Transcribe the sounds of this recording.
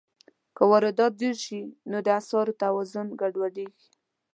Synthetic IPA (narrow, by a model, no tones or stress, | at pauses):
kəwaɾɪd̪ɑt̪̚d̪eɾʃinod̪əasɑɾot̪awɑzʊnɡaɖwaɖeɡi